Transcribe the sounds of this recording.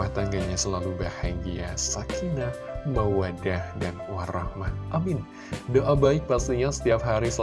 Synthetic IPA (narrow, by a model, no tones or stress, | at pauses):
aht̪aŋɡaɲasəlalubahaɡiasakʰinamawadahdanwaɾahmahʔamɪn | doʔabaɪk̚past̪iɲasə̥t̪iap̚ɦaɾisə